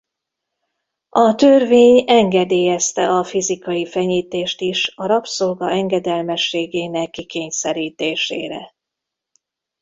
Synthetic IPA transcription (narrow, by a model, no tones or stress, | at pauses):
ɒt̪ørveːɲɛŋɡɛd̪eːjɛst̪ɛʔɒfizikɒjifɛɲiːt̪eːʃt̪iʃɒɾɒpsolɡɒɛŋɡɛd̪ɛlmɛʃːeːɡeːnɛkːikeːɲsɛɾiːt̪eːʃḛːɾɛ̰